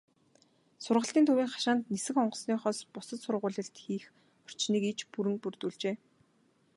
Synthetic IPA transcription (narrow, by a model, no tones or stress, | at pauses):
sʊrʁə̆ɬt̪iːnt̪ʰuwiːŋχḁʃaːnt̪nesɘ̆xɔɴɢɞ̆sniːχɔːspʊsə̆t̪sʊrʁʊːɮʲə̆ɬt̪xiːx | ɔ̥r̥t͡ɕniːkit͡ɕpuɾɘ̆ŋpurt̪uːɮt͡ɕeː